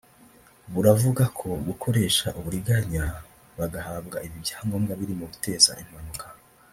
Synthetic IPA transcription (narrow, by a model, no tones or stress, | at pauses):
βuɾavuɡakʰo̞ɡukʰo̞ɾe̞ːʃaʔuβuɾiɡaɲa | βaɡahaːbɡaiβibjḁːŋɡo̞ːmɡaβiɾimoβute̞ːza̰ʔim̥anukʰḁ